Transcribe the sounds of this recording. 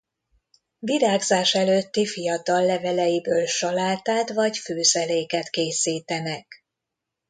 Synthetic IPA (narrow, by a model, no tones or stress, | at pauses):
viɾaːɡzaːʃɛløːt̪ːifijɒt̪ɒlːɛvɛlɛjibøːlʃɒlaːt̪aːt̪vɒɟføːzɛleːkɛt̪keːsiːt̪ɛnɛk